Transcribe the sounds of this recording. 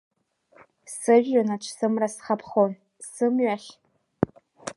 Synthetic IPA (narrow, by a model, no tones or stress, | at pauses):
sɨʒᶣːanat͡ʃʷʰsɨmrasχapʰχon | sɨmɥaχʲ